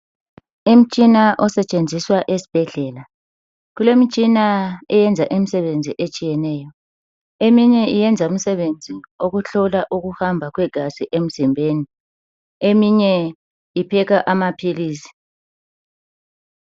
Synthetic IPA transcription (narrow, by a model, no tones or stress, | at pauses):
um̩t͡ʃʼinaʔɔsɛt͡ʃʼend͡zʱiswaʔesi̥b̥ʱɛɮɛːla | ɣulemit͡ʃʼinaɛjɛnd͡zʱaʔimisɛβend͡zʱiʔet͡ʃʼijɛnɛːjɔ | emiɲɛijɛnd͡zʱaum̩sɛβend͡zʱioɣuɬɔlaʔuɣuhambʱaɣwɛɡ̥ʱasiʔem̩zimbʱeːni | emiɲɛ | ipʰɛɣaʔamapʰiliːsi̥